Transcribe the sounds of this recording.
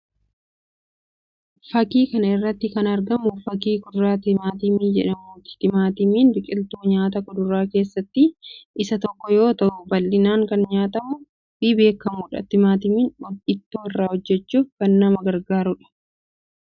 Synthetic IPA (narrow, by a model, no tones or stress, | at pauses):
fɐkiːkɐnɐɪrːɐt̪ːɪkɐnɐɾɡɐmʊfɐkiːkʊd̪ʊɾaːt̪ɪmaːt̪ɪmiːd͡ʒɛ̰ᶑɐmuːt̪ɪ̥t̪ɪmaːt̪ɪmiːnbɪkʼɪlt̪uːɲaːt̪̬ɐkʊd̪ʊɾaːke̞ːsːɐt̪ːɪʔɪsɐt̪ɔkːɔjo̞ːt̪ɐʔʊbɐlːɪnaːŋkɐnɲaːt̪ɐmʊ | biːbe̞ːkːɐmuːᶑɐ̰t̪ɪmaːt̪ɪmiːnbɔdɪt̪ːoːɪrːaːhɔd͡ʒːɛt͡ʃːuːfkɐnːɐmɐɡɐɾɡaːɾʊᶑɐ̥